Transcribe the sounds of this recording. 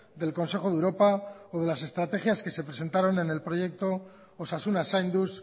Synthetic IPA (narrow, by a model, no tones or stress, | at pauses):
d̪e̞lko̞nse̞xo̞ðeuɾo̞paoðe̞las̬e̞st̪ɾat̪e̞xjaske̞se̞pɾe̞se̞nt̪aɾo̞ne̞ne̞lpɾo̞je̞k̚t̪o̞ | osasunasajnd̪us